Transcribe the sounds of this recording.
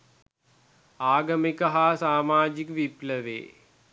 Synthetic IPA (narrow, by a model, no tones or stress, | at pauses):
aːɡɐmikəɦasaːmaːd͡ʒikʋipləʋḛː